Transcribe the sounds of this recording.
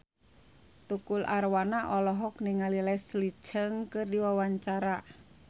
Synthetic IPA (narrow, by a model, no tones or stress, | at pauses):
t̪ukulʔarwanaʔɔlɔɦɔkniŋalilɛsli̥ʒ̥əŋkərdiwawaɲt͡ʃaɾa